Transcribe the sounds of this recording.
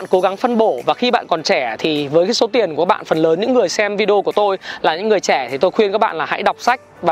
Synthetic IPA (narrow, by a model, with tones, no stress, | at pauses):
aː˧˨nko˨˦ɣa˨˦ŋfə˧nɓo˧˩vaː˨˩xi˧ɓa̰ː˧˨nkɔ˨˩nt͡ɕɛ˧˩t̪ʰi˨˩vəː˨˦jkaː˨˦so˨˦t̪i˨˩ənku˨˩ka˦˥ɓa̰ː˧˨nfə˨˩nləː˨˦nɲɨ̰˧˥ŋːɨ˨˩əjsɛ˧mvi˧ɗi˧ku˧˩ə˩t̪o˧jlaː˨˩ɲɨ̰˧˥ŋːɨ˨˩əjt͡ɕɛ˧˩t̪ʰi˨˩t̪o˧jxwi˧ənkaː˦˥k̚ɓa̰ː˧˨nlaː˨˩ha̰˧˥jɗa˨˩wk͡p̚sa˦˥jk̟̚vaː˨˩